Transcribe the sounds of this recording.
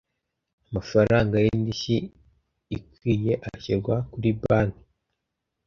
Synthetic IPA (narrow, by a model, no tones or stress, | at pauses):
amafaɾaŋɡajendiʃiː | kije̞ʔaçiɾɡwakuɾibaːni